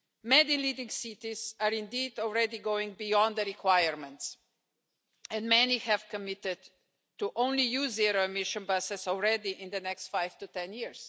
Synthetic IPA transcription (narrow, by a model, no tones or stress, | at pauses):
mɛd̪ĩnlid̪ĩŋsit̪isaɾĩnd̪iːd̪ɔlˠɹɛd̪iɡoʊɪ̃ŋɡ̚bijɔ̃nd̪əɾikʰwajəɾmɛ̃nts | ɛ̃ndmɛnihɛv̥kəmɪt̪ɪd | tuʔõʊ̃nlijuzːiɾoɛmɪʃə̃nbʌsɛsɔlˠɹɛd̪iʔɪ̃nd̪ənɛkst̪fajft̪ut̪ɛ̃njiɹs